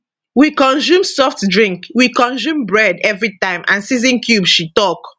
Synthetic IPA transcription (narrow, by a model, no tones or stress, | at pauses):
wikɔ̃nsũmsɔftdɹĩŋkwikɔ̃nzũmbɹɛdɛvɹitãɪ̃mʔã̰nsizə̃nkʰjubʃitɔk